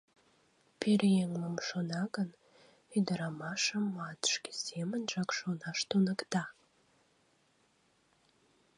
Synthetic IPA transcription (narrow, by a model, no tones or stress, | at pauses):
peɾjeŋləmʃonɑɣən | yd̪əɾɑmɑʃəmːɑt̪ə̥ʃke̥semənʒɑkʃonɑʃt̪unəkt̪ɑ